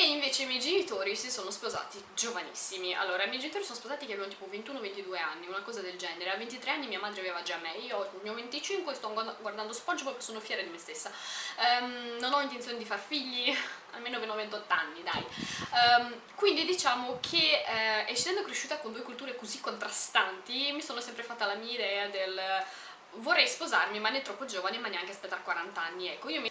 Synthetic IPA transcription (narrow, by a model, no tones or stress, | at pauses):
eiɱveːt͡ʃemjɛjd͡ʒenit̪oːɾisisonospoza̰ːt̪id͡ʒovanḭsːimia̰lːoːɾaimɛjd͡ʒenit̪oːɾisoːnospozaːt̪ikeavevnt̪iːpovent̪uːnovent̪id̪uːea̰nːiunakɔːzad̪eld͡ʒɛːneɾeavent̪it̪ɾeanːimiːamaːd̪ɾeaveːvad͡ʒamːɛiːoɔmiːovent̪it͡ʃiŋkwest̪ɔɡward̪and̪ospɔnd͡ʒopɔpkesoːnofjɛːɾad̪imest̪esːa | nonɔint̪ensjoːned̪ifarfiʎːia̰lmeːnopenovent̪ɔt̪ːanːid̪aj | kwind̪id̪it͡ʃaːmokʰeɛsisɛnd̪okɾeʃːuːt̪akond̪uːekult̪uːɾekozikːont̪ɾast̪ant̪imisoːnosɛmpɾefat̪ːalamiːaid̪ɛːad̪el | vorːɛjspozarmimanːɛt̪ɾɔpːod͡ʒoːvanemanːeaŋkest̪at̪ːɾakːwaɾant̪anːiɛkːoiːom